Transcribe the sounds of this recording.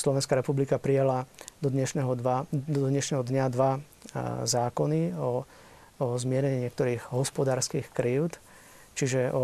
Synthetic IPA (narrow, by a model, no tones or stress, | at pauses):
slɔʋɛnskaɾɛpublikapɾijalad̪ɔd̪ɲɛʃnɛɦɔʋad̪ɔɲɛʃnɛɦɔd̪ɲad̪ʋa | zaːkɔniɔ | ɔzmɪɛɾɛɲiɲɪɛk̚t̪ɔɾiːɣɦɔspɔd̪aːɾskiːxkɾiːʊt̪ | t͡ʃiʒɛʔɔ